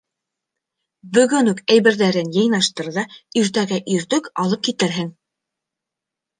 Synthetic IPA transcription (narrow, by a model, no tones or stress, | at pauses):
bɵ̆ɡɵnʉkæjβɘ̆ɾðæɾɘnjɤ̆jnɑʃt̪ɤ̆ɾðɑiɾt̪æɡɘʔiɾt̪ɵkɑlˠɤp̚kit̪ɘɾɦɘŋ